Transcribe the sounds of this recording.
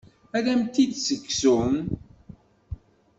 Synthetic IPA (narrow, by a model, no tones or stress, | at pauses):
ælæmt̪id̪səkːsun